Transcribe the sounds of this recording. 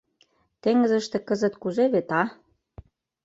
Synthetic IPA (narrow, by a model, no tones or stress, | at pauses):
t̪eŋə̆zə̆ʃt̪ĕkɤ̆zə̆t̪kuzeβet̪ɑ